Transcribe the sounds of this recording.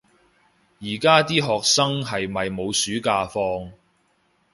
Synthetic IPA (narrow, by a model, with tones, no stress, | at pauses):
jiː˨˩kaː˥t̪iː˥ɦɔː˨k̚sɐ˥ŋɦɐ˨jmɐ˨jmo˨˧wsyː˨˥kaː˧fɔː˧ŋ